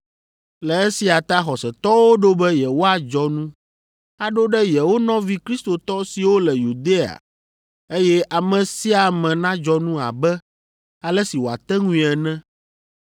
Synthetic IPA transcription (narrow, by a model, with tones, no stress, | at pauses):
lɛ˨ɛ˦si˨a˨t̪a˦xɔ˨sɛ˨t̪ɔ˦wo˦ɖo˦bɛ˦jɛ˨wo˦a˨d͡ʒɔ˦nũ˦ | a˦ɖo˦ɖɛ˦jɛ˨wo˦nɔ̃˦vi˦kɾi˦st̪o˨t̪ɔ˦si˨wo˦lɛ˨ju˨d̪e˦a̰˨ | e˦jɛ˦ʔa˨mɛ̃˨si˦a˨mɛ̃˨nã˦d͡ʒɔ˦nũ˦a̰˨bɛ˦ | a˨lɛ˦si˨wo˨a̰˨t̪ɛ˦ŋũ˦i˨ɛ˨nɛ̃˦